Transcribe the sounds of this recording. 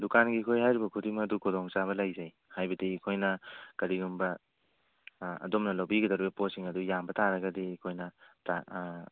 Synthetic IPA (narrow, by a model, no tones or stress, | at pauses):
dukanɡikʰojɦajɾibɐkʰudiŋmɐdukʰodɔŋt͡ʃaβɐlajzaj | hajbɐdiːkʰojnɐkɐɾiɾumbɐ | ɐ̰domnɐlɐwbiɡɐdɐɾibɐposiŋɐdujambɐtʰaɾɐɡɐdiːkʰojnɐtʰa